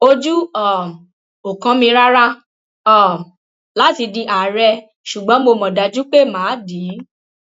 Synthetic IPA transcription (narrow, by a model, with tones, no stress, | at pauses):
o˦d͡ʒu˦ɔ˦˨ | o˨kã˨˧˦mĩ˧ɾa˦ɾa˦ | ɔ˦˨ | la˨˦ti˧dĩ˧ʔa˨ɾɛ˧ | ʃu˨ɡ͡bɔ̃˨˦mo˧mɔ̃˨da˨˦d͡ʒu˦k͡pe˦˨mãː˨˦di˨˦